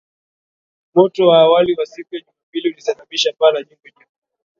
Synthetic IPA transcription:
mɔtɔwaːwaliwasikujaʄumabiliulisaɓaɓiʃapalaɲiŋɡɔɲuu

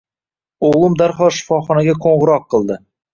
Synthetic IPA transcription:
oʁlˠʊmd̪aɾχɒʃɪ̥fɒχɒnaɡʲakʰoɴʁɨɾɒqʰːɨlˠd̪ɪ

